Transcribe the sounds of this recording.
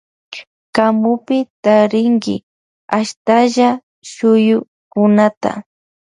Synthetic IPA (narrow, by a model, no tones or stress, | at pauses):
kamʊpɪt̪aɾɪŋɡɪ̰ | aʃt̪aʒa | ʃʊjʊ | kʊnat̪a̰